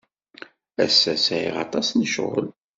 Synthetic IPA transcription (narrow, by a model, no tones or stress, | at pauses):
æsːæsʕḭʁɑ̰t̪ˤɑsnəʃʁo̰l